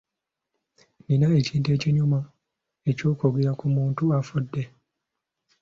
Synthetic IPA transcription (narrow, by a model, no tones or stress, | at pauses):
ninaeciːnteːciɲuma | ecoːkoɡiɾakumuːntuafudːe